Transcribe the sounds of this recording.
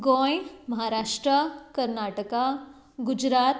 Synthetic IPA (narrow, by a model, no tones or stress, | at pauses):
ɡõːjmɐɦaɾaːʃʈɾəkɐɾnaːʈəka | ɡʊd͡ʒɾaːt̪